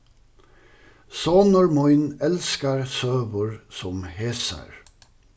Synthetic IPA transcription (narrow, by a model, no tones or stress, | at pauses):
sɔːnɔɹmɔʏnɛlskəɹsøːʋʊɹsɔmheːsə̰ɹ